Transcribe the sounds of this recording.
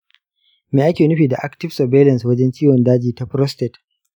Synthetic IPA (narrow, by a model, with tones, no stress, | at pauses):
meː˨ʔa˦kʲeː˨nʊ˦ɸiː˨da˨ʔa˦ktɪ˦fsɔ˨beː˦lɐ˨nswɐ˦d͡ʒɛ˦nt͡ʃiː˦wɔ˨ndaː˦d͡ʒiː˨ta˦ɸɾɔ˦ste˨t